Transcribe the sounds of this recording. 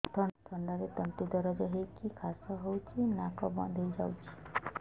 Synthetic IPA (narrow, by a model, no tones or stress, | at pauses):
t̪ʰɔt̪ʰɔɳɖaɾet̪ɔnt̪id̪ɔɾɔd͡ʒɔɦekikʰasɔɦowt͡ʃʰinakɔbɔ̰̃d̪ʱejd͡ʒawt͡ʃʰi̥